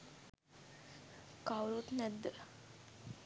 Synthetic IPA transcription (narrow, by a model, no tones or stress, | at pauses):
kawɾut̪næd̪ːə